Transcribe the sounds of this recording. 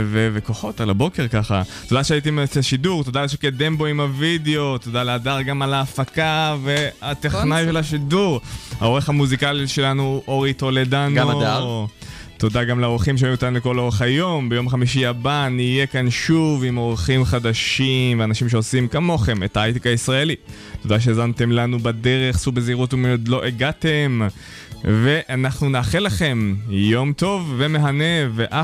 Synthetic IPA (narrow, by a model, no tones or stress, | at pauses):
vevekoχo̞talabo̞ke̞ʁkaχa̰t̪o̞d̪aʃeait̪imet͡seʃiduʁt̪o̞d̪alʃ̬eked̪embo̞imavideo̞t̪od̪aleadaʁɡamalaːfakave̞at̪eχnajʃelaʃiduʁha̰o̞ʁeχhamuzikaliʃe̞lanuoʁit̪oled̪anoa | t̪o̞d̪aɡamleo̞ʁχimʃ̬eoimot̪anuleko̞lo̞ʁeχajo̞mbejo̞mχamiʃ̬iabanijekanʃuvimo̞ʁχimχadaʃimveanaʃimʃeosimkamo̞χe̞me̞̰taajt̪ikaisʁaeli | to̞d̪aʃ̬eezante̞mlanubade̞ʁe̞χsubeziʁutumeod̪lo̞ʔeɡatem | ve̞ʔanaχnunaːχelaχe̞mjo̞mto̞vːe̞me̞ɦane̞veʔa